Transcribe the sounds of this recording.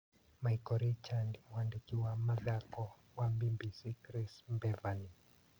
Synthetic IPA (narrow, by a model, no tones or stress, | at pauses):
majkɔɾit͡ʃandmwandikiwamaðakɔ | wambimbisikɾismbɛvani